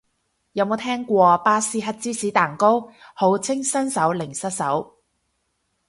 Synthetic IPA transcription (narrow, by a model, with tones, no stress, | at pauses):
jɐ˨˥wmo˨˧wt̪ʰɛː˥ŋkʷɔː˧paː˥siː˧˥ɦɐ˥t̚t͡siː˥siː˨˥t̪aː˨˩ŋko˥who˨˥wt͡sʰɪ˥ŋsɐ˥nsɐ˨˥wlɪ˨˩ŋsɐ˥t̚sɐ˨˥w